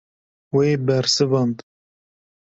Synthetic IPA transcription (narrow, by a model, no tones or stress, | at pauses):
weːbɛɾsɨvɑnd̪